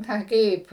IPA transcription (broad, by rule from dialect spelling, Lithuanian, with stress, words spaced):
ˈnɐ ˈkɐɪp